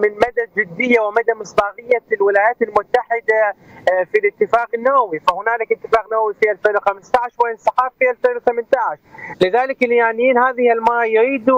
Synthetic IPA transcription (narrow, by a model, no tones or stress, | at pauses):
mɪnmad̪ad͡ʒɪd̪ːɪjːawɪmad̪amɨsˤd̪ɑːɣɪjːalwɪlaːjaːt̪ɪlmʊt̪ːaħɪd̪a | filɪt̪ːɪfaːqɪnːawawifahʊnaːlɪkɪt̪ːɪfaːqnawawifiʔalfeːnwxamɪst̪aʕɪʃwɪʔɪnsɑħaːffiʔalfeːnwθamɪnt̪aʕɪʃlɪðaːlɪkɪljaʕnɪjiːnhaːðɪhɪlmaːˤjʊɾiːd̪u